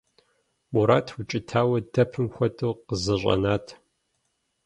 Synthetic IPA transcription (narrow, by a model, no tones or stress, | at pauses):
muɾaːtʰwʊt͡ʃʼɪtʰaːwɐdɐpʰɨmxʷɐtʰʼoːqəzɐɕʷʼɐ̰naːtʰ